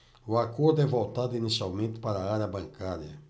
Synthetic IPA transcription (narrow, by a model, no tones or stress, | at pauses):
wakud̪evowt̪ad̪inisawmit̪paɾaaɾɐbɐ̃ŋkaɾjɐ̰